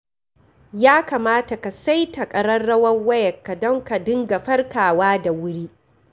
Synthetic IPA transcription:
jaː˦kaː˨maː˦ta˨ka˨sa˦jta˨kʼɐ˨ɽɐ˦rːɐ˦wɐ˦ŋwɐ˦jɐ˨kːa˨dɔ˦ŋka˨dɪ˦ŋɡa˨ɸɐ˦rkaː˨waː˦da˨wʊ˦ɽiː˦ʔ

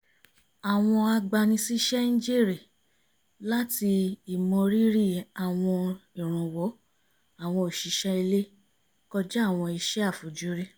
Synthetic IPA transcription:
a˨w̃ɔ̃˧a˧ɡ͡ba˧nĩ˧si˦ʃɛ˦nĩ˦d͡ʒe˦˨ɾi˨ | la˦ti˧i˨mɔ̃˧ɾi˦ɾi˦˨a˨w̃ɔ̃˧i˨ɾ̃ũ˨wɔ˨˦ | a˨w̃ɔ̃˧o˨ʃi˨˦ʃɛ˦i˧le˦ | kɔ˧d͡ʒɛ˦a˦˨w̃ɔ̃˧i˧ʃɛ˦a˦˨fu˨˦d͡ʒu˦ɾi˦

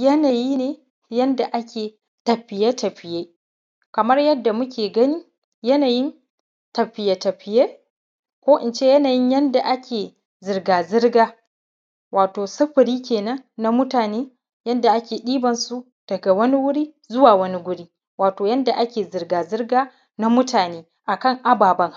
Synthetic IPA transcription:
jɐ˦naː˨jiː˦neː˨ | jɐ˦nda˨ʔa˦kʲʰeː˨ | tɐ˨ɸɪ˨jeː˦tɐ˨ɸɪ˨jeː˦ | kɐ˨mɐ˦rjɐ˦dːa˨mʊ˦kʲʰeː˨ɡɐ˦ni˦ | jɐ˦naː˨jɪ˦n | tɐ˨ɸɪ˨je˨tɐ˨ɸɪ˨jeː˦ | kʷoː˦ʔɪ˨nt͡ʃe˦jɐ˦naː˨jɪ˦ɲjɐ˦nda˨ʔa˦kʲeː˨ | zɪ˨rɡaː˨zɪ˦rɡaː˦ | waː˨toː˨sɐ˦ɸɪ˨ɽiː˦kʲeː˨nɐ˦ŋna˦mʊ˦taː˨neː˦ | jɐ˦nda˨ʔa˦kʲeː˨ɗiː˦bɐ˨nsu˦ | d̥ɐ˨ɡa˨wɐ˦ni˦wʊ˦ɽiː˦ | zʊ˦waː˨wɐ˦ni˦ɡʷʊ˦ɽiː˦ | waː˨toː˨jɐ˦nda˨ʔa˦kʲeː˨zɪ˨rɡaː˨zɪ˦rɡaː˦ | na˦mʊ˦tʰaː˨neː˦ | ʔa˨kɐ˦˨ŋʔa˦baː˨bɐ˦ŋ˦

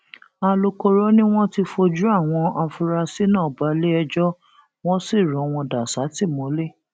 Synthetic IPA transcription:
a˨˧lo˧ko˧ɾo˦nĩ˦w̃ɔ̃˦ti˧fo˧d͡ʒu˦a˦˨w̃ɔ̃˧ʔa˧fu˧ɾa˧si˦nãː˦˨ba˨˦le˦ɛ˧d͡ʒɔ˦ | w̃ɔ̃˦si˦˨ɾɔ̃˨˦w̃ɔ̃˧da˨sa˨˦ti˦˨mɔ̃˨˦le˦˨

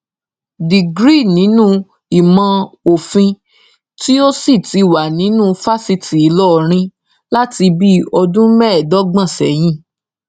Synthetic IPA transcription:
di˨ɡɾi˦˨nĩ˨˦nũ˦ | i˨mã˧o˨fĩ˧ | ti˦o˦si˦˨ti˨˧wa˨nĩ˨˦nũ˦fa˦si˧ti˨i˨˦lɔ˦˨ɾ̃ĩ˧ | la˦ti˧bi˦ɔ˧dũ˦mɛ˦ɛ˨dɔ˨˦ɡ͡bã˦˨sɛ̰˨˦j̃ĩ˦˨

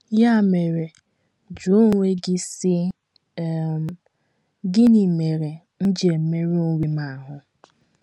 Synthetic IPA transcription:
ja˦˨me˨ɾe˨ | d͡ʒu˨˦ŋʷe˦ɡɪ˦sɪ˦ | ɡɪ˦ni˨me˨ɾe˨ | n̩˦d͡ʒe˨m̩˨me˦ɾu˦wi˦ma˨ɦʊ˨

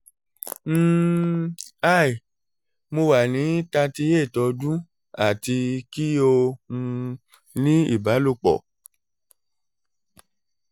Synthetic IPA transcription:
m̩˦˧ | a˦˨i˨ | mo˧wa˨nĩ˨˦ta˧ti˧je˦˨tɔ˧d͡ʒũ˦ | a˨ti˧ki˦o˧ũ˧ | nĩ˦ḭ˦˨ba˨˦lo˦˨k͡pɔ̰˨

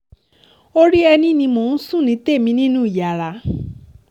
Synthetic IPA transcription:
o˦ɾi˦ɛ˧nĩ˦nĩ˧mõ˨nũ˦sũ˦˨nĩ˧˦t̪e˦˨mĩ˧nĩ˦nũ˦˨ja˨la˨˦

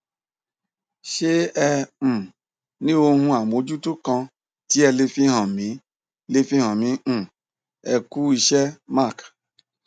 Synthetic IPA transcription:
ʃe˦ɛ̃˧˨ | nĩ˦o˧hũ˧a˨mo˨˦d͡ʒu˦tu˦kɔ̃˧ | ti˦ɛ˧le˧fi˦ɦɔ̃˨mĩ˨˦ | le˧fĩ˦hɔ̃˨mĩ˨˦˨ | ɛ˧ku˦i˧ʃɛ˦ma˦˨k

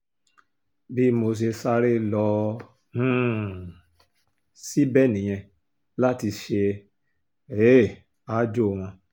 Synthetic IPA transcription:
bi˦˨mo˧s̬e˧sa˧˦ɾe˦lɔ̃˧˦ | si˦bɛ˦˨nĩ˨j̃ɛ̃˧ | la˦ti˧ʃe˧ | e˦˨ | a˦d͡ʒo˦˨w̃ɔ̃˧

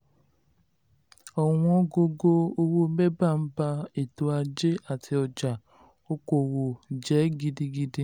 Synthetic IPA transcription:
ɔ˨ŋũ˦o˦ɡo˦ɡo˦o˦wo˦me˦ba˦˨m̩˦ba˦e˨to˨a˧d͡ʒe˦a˨tɪ˧ɔ˨d͡ʒa˨ | o˦ko˨wo˨d͡ʒɛ˨˦ɡi˧di˧ɡi˦di˦

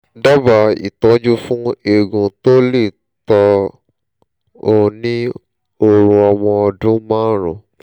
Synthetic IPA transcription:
da˦ba˨ḭ˨tɔ̃˨˦d͡ʒu˦fũ˦e˨ɡũ˨˧to˦le˦˨ | tɔ˧ | o˧nĩ˦ | o˧ɾũ˧ɔ˧w̃ɔ̃˧ɔ˧dũ˦mãː˦ɾṵ̃˨

